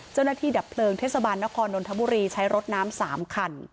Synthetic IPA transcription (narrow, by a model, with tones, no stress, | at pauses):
t͡ɕa˥˩wna˥˩t̪ʰiː˥˩da˨˩pʰlɤː˧ŋt̪ʰe˦˥˩sa˧baː˧nːa˦˥kʰɔː˧nːo˧nt̪ʰa˧˦bu˧˨ɾiː˧t͡ɕʰa˦˥jɾo˦˥t̪̚naː˦˥msaː˩˦mkʰa˧n